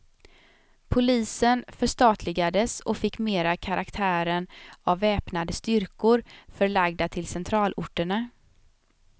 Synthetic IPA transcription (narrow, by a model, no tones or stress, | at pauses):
pʰʊliːsənfœʂt̪ɑːt̪ʰlɪɡad̪əsɔfɪkːmeːɾakʰaɾʔakt̪ʰæːɾənavːɛːpnad̪əst̪ʏɾkʊɾfœɾɭaɡd̪at̪ʰɪlsɛnt̪ʰɾɑːlʔʊʈːəɳa